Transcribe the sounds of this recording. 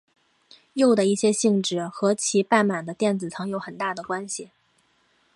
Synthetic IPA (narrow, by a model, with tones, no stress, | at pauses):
jo˥˩ʊd̪ə˩i˥˩ɕjɛ˥ɕi˥˧ŋʈ͡ʂɻ̩˥˩xɤ˧˥t͡ɕʰi˧˥pa˥˩nma˨˩nd̪ə˦t̪jɛ˥˩nt͡sɹ̩˨˩t͡sʰɤ˧˥ŋjo˧˥ʊxə˨˩nt̪a˥˩d̪ə˩kwa˥nɕi˨